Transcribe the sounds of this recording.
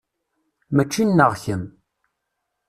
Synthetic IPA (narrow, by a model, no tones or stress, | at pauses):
mæt͡ʃːinːəʁçəm